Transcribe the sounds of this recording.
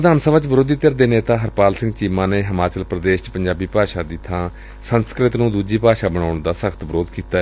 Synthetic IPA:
əd̪aːnsəʋaːt͡ʃʋəɾoːd̪iːt̪əɾd̪eːneːt̪aːɦəɾpaːlsɪ̃ŋɡt͡ʃiːmãːneːɦəmaːt͡ʃəlpɾəd̪eːʃt͡ʃpəɲd͡ʒaːbiːpaːʃaːd̪ɪt̪ʰːãː | sənskɾɪt̪nũːd̪uːd͡ʒiːpaːʃaːbəɳaːʊɳd̪aːsəkʰt̪bəɾoːd̪kiːt̪aːɛ

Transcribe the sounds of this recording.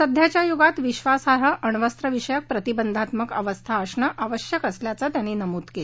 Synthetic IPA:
səd̪ʱjat͡ɕjajuɡat̪ʋiɕʋasaɾəʔəɳ̃ʋəst̪ɾəʋiʂəjək̚pɾət̪ibənd̪ʱat̪məkəʋəst̪ʰaːsɳəʔaʋəɕjəkəsljat͡sət̪janːiːnəmuːt̪kel

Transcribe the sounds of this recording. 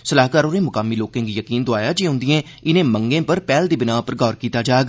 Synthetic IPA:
səlaːkaːɾoːneːmʊkaːmːiːloːkẽːŋɡjəkiːnd̪oaːjaːd͡ʒeːɦʊ̃nd̪ɪjẽː | ɪnẽːməŋɡẽːpəɾpɛːld̪iːbɪnaːpəɾɡɔːɾkiːt̪aːd͡ʒaːɡ

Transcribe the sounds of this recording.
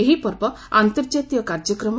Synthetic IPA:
eɦipɔɾbɔ | ant̪ɔɾd͡ʒat̪ijɔkaɾd͡ʒɔkɾɔm

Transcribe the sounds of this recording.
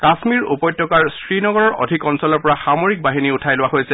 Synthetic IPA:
kasmiɹṵpɔjtʰːɔkaɹsɹinɔɡɔɹɔɹʔo̰dʱikɔnsɔlɔɹpɔɹaxamoɹik̚baɦiniutʰajlʊwaɦojsɛ

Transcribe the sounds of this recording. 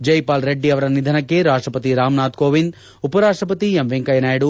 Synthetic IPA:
d͡ʒɐjpaːlɾeɖːiɐʋɐɾɐnid̪ʱɐnɐkːe̞ɾaːʂʈɾɐpɐt̪iɾaːmnaːt̪̚koːʋind̪ | upɐɾaːʂʈɾɐpɐt̪iemʋeŋkɐjɐnaːjɽu

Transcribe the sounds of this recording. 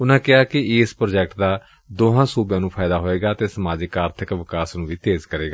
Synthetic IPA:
ʊnãːkɪaːkɪɪspɾoːd͡ʒɛːkʈd̪aː | d̪oːɦãːsuːbjãːnũːpʰaːɪd̪aːɦoːeːɡaːt̪eːsəmaːd͡ʒɪkaːɾt̪ʰɪkʋɪkaːsnũːʋiːt̪eːzkəɾeːɡaː

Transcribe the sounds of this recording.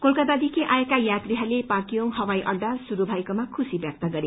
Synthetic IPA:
kolkʌd̪ad̪ikʰiʔaekajat̪riɦalepakioŋɦʌwajʔʌd̪ʱasuɾubʱʌjkomakʰusibjak̚t̪aɡʌɾe

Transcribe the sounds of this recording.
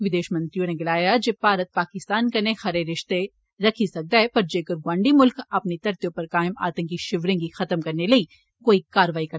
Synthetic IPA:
ʋɪd̪eːʃmɐ̃nt̪ɾijõneɡɪlaːjad͡ʒepaːɾət̪̚paːkɪst̪aːnkɐnẽxɐɾeɾɪʃt̪e | ɾɐkʰisɐk̚d̪aɦɛpɐɾd͡ʒeːkəɾɡwãːɳɖimʊlkɐpnit̪ɐɾt̪ijõpɐɾkaːɪma̰ːt̪ə̃ŋk̬iʃɪʋɾẽkixɐt̪əmkɐɾnelɐi | koːikaːɾəʋaːikɐɾ

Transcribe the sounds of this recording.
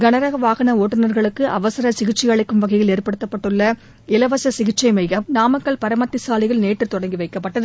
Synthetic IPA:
ɡɐnɐɾɐɣɐʋaːɣɐnɐoːʈːɯnɐɾɣɐɭɯkːɯʔɐ̰ʋɐsɐɾɐsɪɣɪʈt͡ʃːɪjɐɭɐɪkːɯmʋɐɣɐjɪleːɾpɐɽɯt̪ːɐpːɐʈːɯɭːɐ | ɪlɐʋɐsɐsɪɣɪʈt͡ʃːɐɪmɐɪɣɐmnaːmɐkːɐɭpɐɾɐmɐt̪ːɪsaːlɪɣɐɭneːʈːrɯt̪ɔɽɐŋɡiʋɐɪkːɐpːɐʈːɐðɯ

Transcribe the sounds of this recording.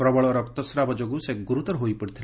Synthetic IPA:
pɾɔbɔɭɔɾɔkt̪ɔsɾabɔd͡ʒoɡusekɡuɾut̪ɔɾɦojpɔɽit̪ʰil

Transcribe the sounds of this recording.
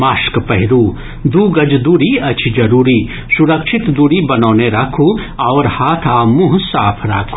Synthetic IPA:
maːʃkpɐɦɪɾuː | d̪uːɡɐd͡ʒd̪uːɾiɐt͡ʃʰid͡ʒɐɾuːɾiː | suɾɐkʃʰɪt̪d̪uːɾibɐnoːneɾɐːkʰuːɐːɾhaːt̪ʰaːmuɦsaːpʰɾa̰ːkʰu̥

